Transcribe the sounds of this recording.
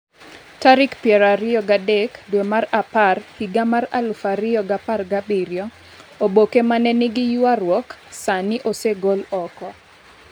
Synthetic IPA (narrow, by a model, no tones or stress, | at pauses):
taɾɪkpjɛɾaɾɪɔɡadekdwemaɾaparhiɡamaɾa̰lfaɾɪɔɡaparɡabiɾjɔ | obokemanɛnɪɡɪjʊaɾwɔksanɪʔoseɡolɔkɔ